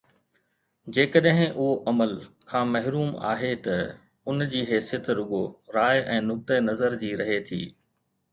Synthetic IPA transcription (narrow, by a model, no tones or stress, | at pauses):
d͡ʑeːkəɗɦɪ̃ʊɦoʔɐməlkʰãːmɐɦɾuːma̰ːɦet̪ɐ | ʊnd͡ʑiːɦeːsjət̪ɾʊɠoɾaːɪʔɛ̃ːnʊk̚t̪ənɐzəɾd͡ʑiːɾɐɦet̪ʰḭː